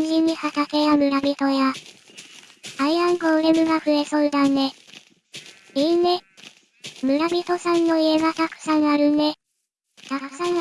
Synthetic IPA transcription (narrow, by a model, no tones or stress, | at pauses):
ɲ̟ʑiɲ̟ːihat̪ake̞jamɯ̟ɾabʲit̪o̞ja | aiãŋɡoːɾe̞mɯ̟ɡaɸɯ̟e̞so̞ɯ̟d̪ane̞ | ine | mɯ̟ɾabʲit̪o̞sãnːo̞ie̞ɡat̪akɯ̟̥sãɰaɾɯ̟ne̞ | t̪ḁsãŋ